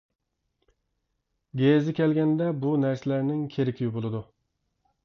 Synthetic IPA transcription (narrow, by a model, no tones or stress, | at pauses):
ɡʲezɪkʲɛlɡʲɛnd̪ɛbunæɾsɪlæɾnɪŋkʲʰeɾɪkʲʰijubolˠɨd̪u